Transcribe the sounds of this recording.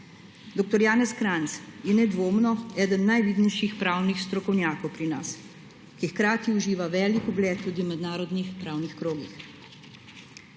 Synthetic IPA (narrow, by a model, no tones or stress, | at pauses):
d̪oːk̚t̪ɔɾjaːnɛskɾant̪sjɛnɛd̪ʋoːmnɔɛːd̪ənːajʋiːd̪nɛjʃixpɾaːwnixst̪ɾɔkɔwnjaːkɔwpɾinas | kixkɾaːt̪iuʒiːʋaʋɛːlikuɡlɛːt̪ːuːd̪iwmɛd̪naːɾɔd̪nixpɾaːwnixkɾoːɡix